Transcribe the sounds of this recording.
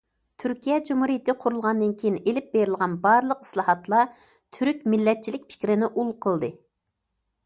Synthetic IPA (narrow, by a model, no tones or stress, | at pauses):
t̪ʰyɾkʲʰijɛd͡ʒumhuɾijt̪ʰɪqʰʊɾulˠʁɑnd̪ɨnkʲʰejinelɪp̚beɾɪlˠʁɑnbɑɾlˠəqi̥slˠɑhɑt̪lˠɑ | t̪ʰyɾykʲmɪlːɛt̪̚t͡ʃʰilɪk̚ʲpʰɪ̥kʲɾɪnɪʔulˠqʰəlˠd̪ɨ